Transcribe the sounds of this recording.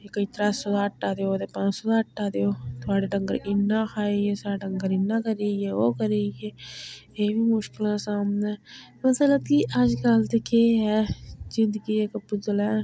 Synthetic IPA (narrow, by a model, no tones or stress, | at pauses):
ekəiːt̪ɐɾaːsod̪aːʈːaːd̪ejoːd̪epãːt͡ʃsod̪aʈːaːd̪eoːt̪ʊaːɽeɖɐ̃ŋɡəɾɪnːãːxʰaːiesaːɖɐ̃ŋɡəɾɪnːãːkɐɾeːjeoːkəɾeːje | eːbimʊʃkɪlãsaːmnẽ | mɐslət̪kiʔad͡ʒkalt̪ekeːɦɛzɪ̃nd̪əɡiekɐpːʊzəlɛ̃ː